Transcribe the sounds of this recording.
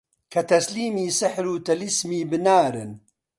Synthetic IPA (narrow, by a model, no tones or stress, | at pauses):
kʰɐt̪ɐsliːmiːsɨħɾuːt̪ɐlismiːbɨnaːɾɨn